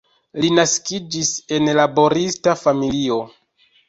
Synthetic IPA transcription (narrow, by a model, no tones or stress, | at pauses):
linaskid͡ʒise̞nlabo̞ɾistafamilio̞